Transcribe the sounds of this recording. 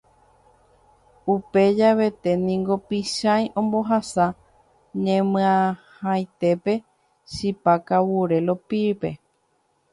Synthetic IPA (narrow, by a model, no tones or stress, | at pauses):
upe̞d͡ʒaβe̞t̪e̞nĩŋɡo̞piʃajʔõ̞mbo̞ɦasa | ɲẽmɨ̃ãhãjt̪e̞pe̞ | ʃipakawuɾe̞lo̞pipe̞̰